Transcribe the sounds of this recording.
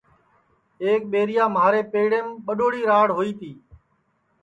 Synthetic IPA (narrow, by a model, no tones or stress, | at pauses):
eːk̚ɓeːɾɪjaːməaːɾeːpeːɽẽːmɓəɗoːɽiːɾaːɽɦoːiːt̪iː